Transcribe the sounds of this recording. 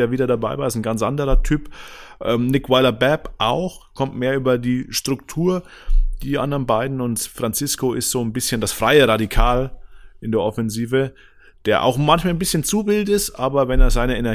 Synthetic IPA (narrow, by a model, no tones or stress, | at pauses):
eːɐviːdɐdabaɪvaːɪstn̩ɡant͡sʔa̰ndəʁɐtʰyːpʔɛːmnɪkwaɪlɐbɛpʔaʊxkʰɔmtmeːɐʔyːbɐdiːʃtʁ̥ʊktʰuːɐ | d̥iːʔa̰ndɐʁənbaɪdn̩ʊntfʁ̥ant͡sɪskoʔɪstz̥oːnbɪsçəndasfʁ̥aɪəʁadikʰaːlʔɪndeːɐʔɔfɛnziːvə | d̥eːɐʔa̰ʊxmançmalnbɪsçənt͡suːbɪltɪstʔaːbɐvɛneːɐzaɪnəenɛɐ